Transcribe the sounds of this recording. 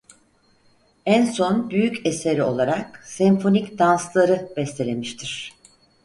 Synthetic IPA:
ænso̞nbyjyceseɾio̞lˠaɾaksɛmfo̞nicd̪anslˠaɾɯb̥ɛst̪elʲemiʃt̪ʰiɾ̝̥

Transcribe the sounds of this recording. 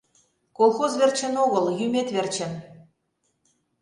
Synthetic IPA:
kolˠxozβerʲt͡ɕə̆noɣɤ̆ljymʲet̪βert͡ɕɘ̆n

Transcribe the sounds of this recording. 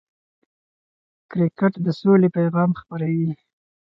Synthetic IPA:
kɾɪkɪʈd̪əsolepajɣɑmxpaɾawi

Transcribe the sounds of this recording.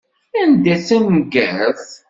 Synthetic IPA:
ænd̪æθæmɡæθ

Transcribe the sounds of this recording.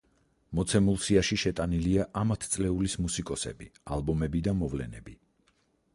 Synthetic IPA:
mɔt̪sʰɛmulˠsiaʃiʃɛt̪ʼaniliaʔamat̪ʰt̪sʼlɛulismusikʼɔsɛ̰bia̰lˠbɔmɛbid̪amɔvlɛ̰nɛ̰bi

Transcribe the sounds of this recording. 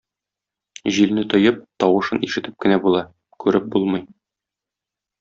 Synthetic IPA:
ʑilnɘt̪ŏjɤp̚t̪ɒwɤ̆ʃɤniʃɘ̆t̪ɘp̚kɘ̆næbulˠɑ | kʉɾɘp̚bulˠmɤj

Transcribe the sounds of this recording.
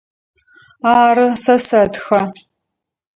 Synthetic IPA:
aːrɨsɐsɐtxɐ

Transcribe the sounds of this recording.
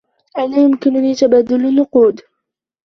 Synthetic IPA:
ʔanaːjʊmkɪnʊniːt̪abaːd̪ʊlnːʊquːd̪

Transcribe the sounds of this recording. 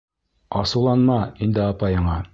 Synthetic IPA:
ɑsɤ̆wlˠɑnmɑind̪ɘɑpɑjɤ̆ɴɑ

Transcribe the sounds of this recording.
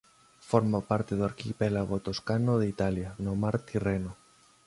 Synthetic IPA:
foɾmapaɾt̪eðoaɾkipelaɣot̪oskanoðeit̪aljanomaɾt̪ireno

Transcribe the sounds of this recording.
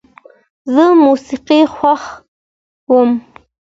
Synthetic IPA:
zəmusiqixwax | wəm

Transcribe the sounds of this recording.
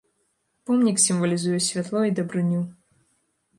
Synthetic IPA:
pɔmnʲiksʲimvɐlʲizujɛsʲvʲat̪lˠɔid̪ɐbɾɨnʲu

